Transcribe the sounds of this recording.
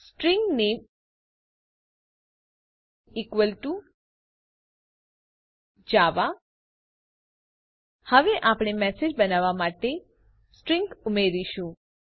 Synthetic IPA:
sʈɾĩŋɡnem | ikʋəlʈu | d͡ʒaʋa | həʋeʔapɽ̃emɛsed͡ʒbənaʋamaʈe | sʈɾiŋɡumeɾiʃũ

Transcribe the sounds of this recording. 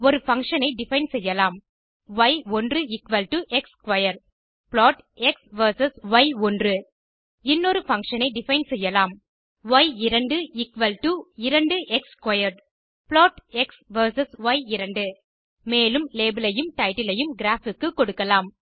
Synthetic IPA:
ɔɾɯfɐŋkʂɐnɐɪɖɪfɐɪnsɛjːɐlaːm | ʋɐɪɔndrɯɪkʋɐlʈɯʔɛkskʋɐjɐɾ | plaːʈ | ɛksʋɐɾsɐsʋɐɪɔndrɯ | ɪnːɔɾɯfɐŋʂɐnɐɪɖɪfɐɪnsɛjːɐlaːm | ʋɐɪɪɾɐɳɖɯɪkʋɐlʈuɪɾɐɳɖɯʔɛkskʋɐjɐɾɖ | ploːʈɛksʋɐɾsɐsʋɐɪɪɾɐɳɖɯ | meːlɯmleːbɐlɐjɯmʈɐɪʈɪlɐjɯmɡɪɾaːfɪkːɯkːɔɽɯkːɐlaːm

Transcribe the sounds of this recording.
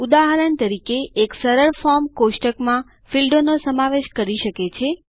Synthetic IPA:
ud̪aɦəɾənt̪əɾikeːksəɾəɾfɔɾmkoʃʈəkmã | filɖonosəmaʋeʃkəɾiʃəket͡ʃʰe

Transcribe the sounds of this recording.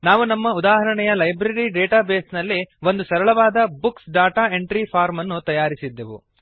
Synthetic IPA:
naːʋunɐmːɐud̪aːɦɐɾɐɳɛjɐlɐjbɾɐɾiɖeːʈaːbeːsnɐlːiʋo̞nd̪usɐɾɐɭɐʋaːd̪ɐbuksɖaːʈaːeɳʈɾipʰaːɾmɐnːut̪ɐjaːɾisid̪ːeʋṵ

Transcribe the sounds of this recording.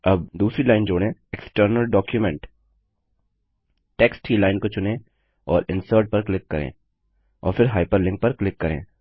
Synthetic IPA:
ɐb̚d̪uːsɾilaːɪnd͡ʒoːɽẽeksʈəɾnəlɖɔːkjʊmɛ̃ɳʈ | ʈeːksʈilaːɪnkot͡ʃʊnẽ | ɔːɾɪ̃nsəːɾʈ̚pɐɾklɪkːɐɾḛ̃ː | ɔ̰ːɾfɪɾɦaːɪpəɾlɪ̃ŋk̚pɐɾklɪkːɐɾḛ̃ː

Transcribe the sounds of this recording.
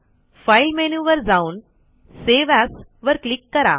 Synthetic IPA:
fajlmenuːʋəɾd͡zaːun | seːʋaːsʋəɾklɪkːɐɾa̰ː

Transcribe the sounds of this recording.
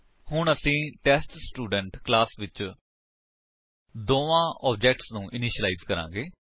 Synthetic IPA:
hʊɳəsĩːʈɛːsʈsʈuːɖəɳʈklaːsʋɪt͡ʃ | d̪oːʋãːʔɔːbd͡ʒɛːk̚ʈsnũːʔɪniːʃəlaiːzkəɾã̰ːɡeː

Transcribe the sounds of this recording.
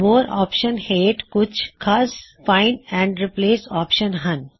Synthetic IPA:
moːɾɔ̰ːpʃənheːʈkʊt͡ʃʰkʰɐsfaɪnɛ̃ːɳɖɾipleːsɔːpʃənɦɐn

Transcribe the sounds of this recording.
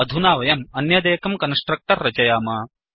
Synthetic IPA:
ɐd̪ʱunaːʋɐjɐmɐnjɐd̪eːkɐmkɐnsʈɾɐk̚ʈ̪ɐɾːɐt͡ʃɐjaːmɐ

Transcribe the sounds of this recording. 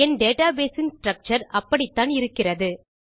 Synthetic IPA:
ɛnɖeːʈaːbeːsɪnsʈɾɐk̚t͡ʃɐɾɐpːɐɽɪt̪ːaːnɪɾɯkːɪrɐðɯ

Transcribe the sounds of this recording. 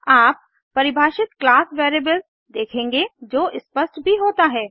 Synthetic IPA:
aːp̚ː | ɐɾɪbʱaːʃɪt̪klaːsʋeːɾeːbəlz | d̪eːkʰẽːŋɡed͡ʒoːʔɪspəsʈbʱiɦoːt̪aɦɛː

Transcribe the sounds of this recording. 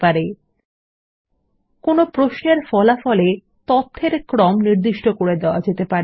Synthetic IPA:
paɾe | konopɾoʃneɾfɔlafɔle | t̪ɔt̪ʰːeɾkɾɔmniɾd̪iʃʈokoɾed̪eoad͡ʑet̪epaɾ

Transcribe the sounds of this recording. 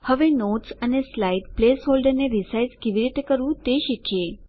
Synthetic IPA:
həʋenoʈsəneslaiɖplesɦolɖəɾneɾisajskeʋiɾit̪ekəɾʋũt̪eʃikʰje

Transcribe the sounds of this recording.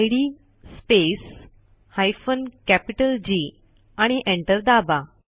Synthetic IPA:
jɽi | spes | hajfənkæpiʈəld͡ʑi | aɽ̃iʔẽɳʈəɾd̪aba

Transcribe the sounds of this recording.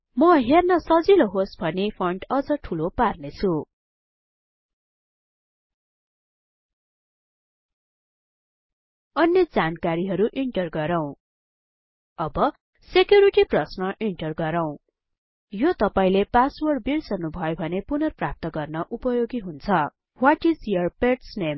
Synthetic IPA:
mʌɦernʌsʌd͡ziloɦosbʱʌnepʰʌɳɖʌd͡zʌʈʰuloparnet͡sʰu | ʌnjʌd͡zankaɾiɦʌɾuʔiɳʈʌrɡʌɾaw̃ | ʌbʌ | sekjuɾiʈiprʌsnʌʔiɳʈʌrɡʌɾaw̃ | jot̪ʌpaĩlepaswʌrbirsʌnːubʱʌjobʱʌnepunʌrprap̚t̪ʌɡʌrnʌʔupʌjoɡiɦunt͡sʰʌ | waʈizijʌrpeʈsnem

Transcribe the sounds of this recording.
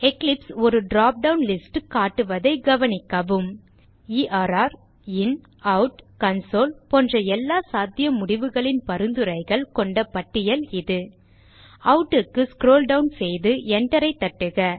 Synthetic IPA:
ɛklɪpsɔɾɯɖɾaːp̚ɖɐʊnlɪsʈkaːʈːɯʋɐðɐɪɡɐʋɐnɪkːɐʋɯm | iːʔaːɾaːɾ | ɪn | ɐʊʈkɐnsoːlpɔndrɐɛlːaːsaːd̪jɐmʊɽɪʋɯɣɐɭɪnpɐɾɯnd̪ɯɾɐɪɣɐɭkɔɳɖɐpɐʈːɪjɐlɪðɯ | ɐʊʈːɯkːɯskɾoːlɖɐʊnsɛjðɯɛɳɖɐɾɐɪt̪ːɐʈːɯɣɐ

